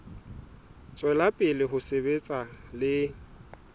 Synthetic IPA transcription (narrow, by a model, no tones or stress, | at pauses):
t͡sʼwɛlapʼɪlɪɦʊsebet͡sʼalɪ